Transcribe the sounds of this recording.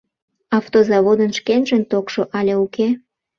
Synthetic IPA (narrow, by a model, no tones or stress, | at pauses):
ɑft̪ozɑβod̪ənʃkenʒənt̪okʃoʔɑlʲeuke